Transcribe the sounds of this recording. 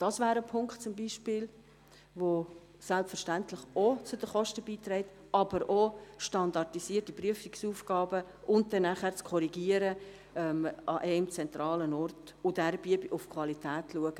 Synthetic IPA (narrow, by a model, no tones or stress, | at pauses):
d̥ɑsvæːɾəpʰʊŋktt͡sʊmbiʃpɪːl | vo | sɛlpfəʃtæntlɪχot͡sʊdəχɔʃtəbiːt̪rɛɪt | ɑb̥əɾoʃtɑndɑɾtisiːərtipryəfiksuːfɡ̥ɑːbə | ʊnt̚dɛnːæχæːɾt͡skʰɔɾiɡiːəɾə | ɛmɑʔɛɪmt͡sɛntɾɑːlənɔrt | ʊdɛɾb̥iəbiʔʊfkʰvɑlitʰɛːtʰluəɡ̥ə